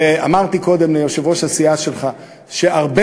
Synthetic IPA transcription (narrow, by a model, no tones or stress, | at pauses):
a̰maʁt̪iko̞d̪emlejo̞ʃevo̞ʃasiaʃe̞lχa | ʃe̞ʔaʁbe